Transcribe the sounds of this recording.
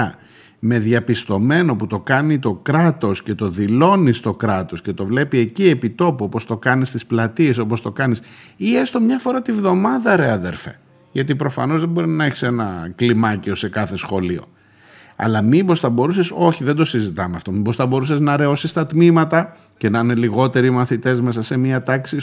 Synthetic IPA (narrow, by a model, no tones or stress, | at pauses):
me̞ðʝɐpist̪o̞me̞no̞put̪o̞kɐnit̪o̞kɾɐt̪o̞sce̞t̪o̞ðilo̞nist̪o̞kɾɐt̪o̞sce̞t̪o̞vle̞pie̞cie̞pit̪o̞puo̞po̞st̪o̞kɐnist̪isplɐt̪ie̞so̞post̪o̞kɐnisie̞st̪o̞mɲɐfo̞ɾɐt̪ivðo̞mɐðɐɾe̞ɐðe̞ɾfe̞̰ | ʝɐt̪ipɾo̞fɐ̰no̞zðebo̞ɾinɐeçi̥se̞nɐklimɐcio̞se̞kɐθe̞sxo̞lio̞̰ | ɐ̰lɐmimbo̞sθɐbo̞ɾuse̞so̞çiðend̪o̞sizit̪ɐmeɐft̪o̞mibo̞sθɐbo̞ɾuseznɐɾe̞o̞sist̪ɐt̪mimɐt̪ɐ | ce̞nɐine̞liɣo̞t̪e̞ɾimɐθit̪e̞zme̞sɐse̞miɐt̪ɐksi